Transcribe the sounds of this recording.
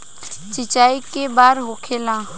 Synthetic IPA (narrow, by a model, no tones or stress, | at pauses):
t͡ʃɪt͡ʃaːikebaːɾɦokʰeːlã